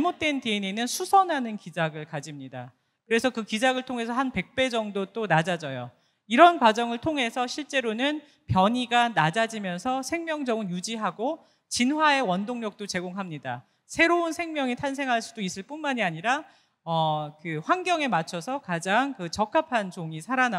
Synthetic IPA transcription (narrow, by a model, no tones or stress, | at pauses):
t͡ɕaɭmot̚t͈we̞nteinenɯnsʰusʰʌnɦanɯnkid͡ʑaɡɯɭkad͡ʑimɲida̰ | kɯɾe̞sʰʌkɯkid͡ʑaɡɯɭtʰoŋɦe̞sʰʌɦanpe̞k̚p͈e̞d͡ʑʌŋdot͈onad͡ʑad͡ʑʌjo̰ | iɾʌnkwad͡ʑʌŋɯɭtʰoŋɦe̞sʰʌɕʰiɭt͡ɕ͈e̞ɾonɯn | pjʌɲiɡanad͡ʑad͡ʑimjʌnsʰʌsʰe̞ŋmjʌŋd͡ʑʌɡɯnjud͡ʑiɦaɡo | t͡ɕinɦwae̞wʌndoŋɲʌk̚t͈ot͡ɕe̞ɡoŋɦamɲida̰ | sʰe̞ɾounsʰe̞ŋmjʌŋitʰans̬ʰe̞ŋɦaɭs͈udois͈ɯɭp͈unmaɲiaɲiɾa | ʌkɯɸwanɡjʌŋe̞mat͡ɕʰʌsʰʌkad͡ʑaŋkɯt͡ɕʌk͈ʰapʰant͡ɕoŋisʰaɾana